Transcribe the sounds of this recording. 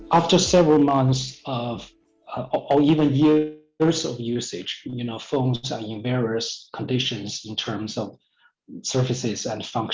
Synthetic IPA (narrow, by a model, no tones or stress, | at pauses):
ʔæftə˞sɛvɹəl̩ˠmʌ̃nθsʌv | ʔə˞ivə̃njɪɹ | zʌvjʉsɪ̥d͡ʒjɨnoʊfõʊ̃nzə̃˞ɪ̃nvɛɹiɨskʰə̃n̩dɪʃɨ̃nzɪ̃ntʰɜ̃˞mzʌv̥ | sɜ˞fɨsɪzɨ̃nfʌ̃ŋk